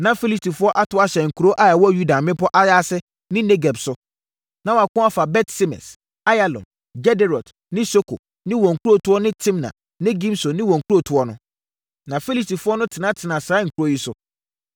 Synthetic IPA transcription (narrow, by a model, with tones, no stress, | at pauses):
nã˨fi˦li˦sti˨fʊ˦ɔ˦ʔa˦tʰʊ˨˦a˦ɕɛ˨ŋ̩˨kʰu˨ɾo˦ʔa˦jɛ˨wɔ˦˨ju˦da˨mɪ̃˦pɔ˦ʔa˦ja˦sɪ˦ | nɪ̃˦ne˦ɡɛ˨bsʊ˨ | nã˨wɔ˨a˨kʊ̃˦a˦fa˨bɛ˦tsi˦mɛ̰˨s | a˦ja˨lɔ̰̃˨n | ɡɛ˦de˦ɾɔ˨d | nɪ̃˦so˦kʰo̰˨ | nɪ̃˦wɔ̃˨ŋ̩˨kʰu˦ɾo˦˨tʰʊ˦ɔ˦nɪ̃˦tʰɪ̃˦mna̰˨ | nɪ̃˦ɡĩ˦mso˨nɪ̃˦wɔ̃˨ŋ̩˨kʰu˦o˦˨tʰʊ˦ɔ˦nʊ̃˦ | nã˨fi˦li˦sti˨fʊ˦ɔ˦nʊ̃˦tʰɪ˨nã˦tʰɪ˨nã˨saː˨˦ŋ̩˨kʰu˨ɾo˦ji˦sʊ˦